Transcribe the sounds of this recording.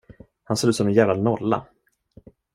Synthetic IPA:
hansoːd̪ʉːsɔmɛnjæːvlalnɔlːa̰

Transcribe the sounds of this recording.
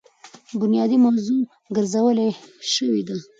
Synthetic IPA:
bʊnjɑd̪imawzu | ɡəɾzawəleʃəwid̪a

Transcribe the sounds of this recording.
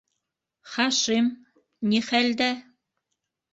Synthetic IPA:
χɑʃim | nʲiχæld̪æ

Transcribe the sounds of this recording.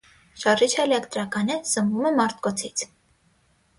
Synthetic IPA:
ʃɑrit͡ʃʰɛlɛkt̪ɾɑkɑnəz̥əmvumɛmɑɾt̪kɔt͡sʰit͡sʰ

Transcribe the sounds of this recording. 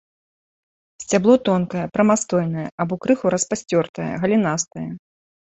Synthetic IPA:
sʲt͡sʲablˠɔt̪ɔnkɐjɛpɾɐmast̪ɔjn̪ɐjɛabɔkɾɨxuɾɐspasʲt͡sʲɔrt̪ɐjɛ̰ɣɐlʲinast̪ɐjɛ

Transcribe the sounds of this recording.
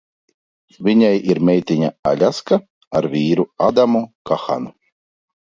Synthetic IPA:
vʲiɲajiɾmʲɛjt̪ʲiɲaa̰lʲaska | aɾvʲiːɾuad̪amukaxa̰nu

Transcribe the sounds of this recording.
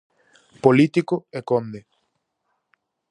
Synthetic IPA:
polit̪ikoekõnd̪e

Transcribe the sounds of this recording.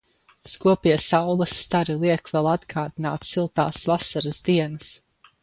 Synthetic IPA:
skuɔpiɛsawlˠɐsːt̪aɾilˠiɛkvɛlˠad̪ɡaːd̪inaːt̪silˠt̪aːsvasaɾəzd̪iɛnɐs

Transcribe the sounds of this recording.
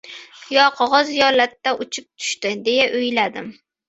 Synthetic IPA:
jɒqʰɒʁɒzjɒlat̪ːaʔʊt͡ʃʰɪp̚t̪ʰʊ̥ʃt̪ɪd̪e̞jaʔʊjlad̪ɪm

